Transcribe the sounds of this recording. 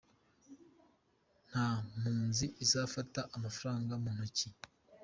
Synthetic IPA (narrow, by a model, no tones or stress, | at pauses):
n̥ham̥uːnziʔizafataʔamafaɾaːŋɡamuːnoci